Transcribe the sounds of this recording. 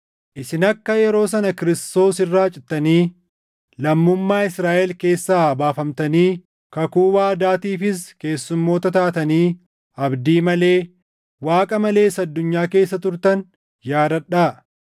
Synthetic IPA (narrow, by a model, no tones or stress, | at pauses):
ʔɪsɪnɐkːɐjɛɾo̞ːsɐnɐkɪɾɪst̪o̞ːsɪrːaːt͡ʃʼɪt̪ːɐniː | lɐmːʊmːaːɪsɾaːʔɛlke̞ːsːaːbaːfɐmt̪ɐniː | kɐkuːbaːɐd̪aːt̪iːfɪske̞ːsːʊmːo̞ːt̪ɐt̪aːt̪ɐniː | ɐbd̪iːmɐle̞ː | waːkʼɐmɐle̞ːsɐd̪ːʊɲːaːke̞ːsːɐt̪ʊɾt̪ɐn | jaːɾɐᶑaː